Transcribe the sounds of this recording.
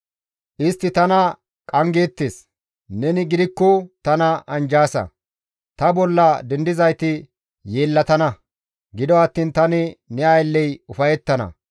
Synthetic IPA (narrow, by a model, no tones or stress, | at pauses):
ʔɪst̪ːɪt̪ɐnɐ | kʼɐŋɡeːt̪ːeːs | nɛnɪɡɪd̪ɪkːɔt̪ɐnɐɐnd͡ʒaːsɐ̰ | t̪ɐbɔlːɐd̪ɛnd̪ɪzɐjt̪ɪ | jeːlːɐt̪ɐnɐ | ɡɪd̪ɔɐt̪ːiːnt̪ɐnɪnɛɐjlːɛjʊfɐjɛt̪ːɐnɐ̰